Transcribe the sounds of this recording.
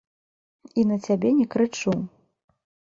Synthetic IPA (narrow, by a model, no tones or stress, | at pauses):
inɐt͡sʲabʲɛnʲɛkɾɨt͡ʂu